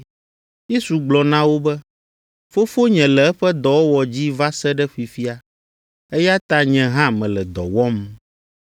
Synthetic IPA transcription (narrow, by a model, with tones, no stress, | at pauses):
je˦su˨ɡ͡blɔ˨nã˦wo˦bɛ˦ | fo˦fo˦ɲɛ̃˨lɛ˨ɛ˦ɸɛ˦d̪ɔ˨wo˦wɔ˨d͡ʑi˦va˦sɛ˦ɖɛ˦ɸi˨fi˦a˨ | ɛ˦ja˦t̪a˦ɲɛ̃˨ɦã˦mɛ̃˨lɛ˨d̪ɔ̰˨wɔ˦m